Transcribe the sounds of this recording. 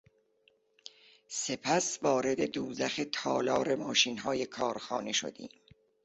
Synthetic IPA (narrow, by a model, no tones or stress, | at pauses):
se̞pʰæsvɒːɾe̞d̪e̞d̪uːzæxet̪ʰɒːlɒːɾe̞mɒːʃiːnɦɒːje̞kʰɒːɾxɒːneʃo̰d̪ḭːm